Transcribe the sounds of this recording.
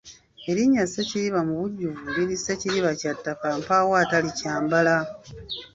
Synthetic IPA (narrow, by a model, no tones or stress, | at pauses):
e̞ɾiɲːaseciɾiβamuβuɟːuvuliɾiseciɾiβacatːakampawaːtalicaːmbala